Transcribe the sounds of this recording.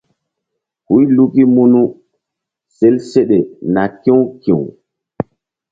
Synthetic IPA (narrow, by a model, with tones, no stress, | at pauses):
hu˦jlu˦ki˦mu˦nu˦ | se˦lse˦ɗe˨na˨kẽ˦wkḭ̃˨w